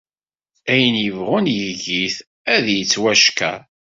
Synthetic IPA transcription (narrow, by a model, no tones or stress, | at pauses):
æjənjəvʁʊnjəʝiθ | æðjət͡sːwæʃkæ̰